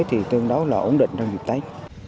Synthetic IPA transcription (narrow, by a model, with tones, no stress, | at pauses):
jt̪ʰi˨˩t̪ɨ˧əŋɗə˨˦wlaː˨˩ʔo̰˧˩˥nɗḭ˧˨ŋ̟t͡ɕa˧wŋ͡mzi˨˩k̚t̪ə˨˦j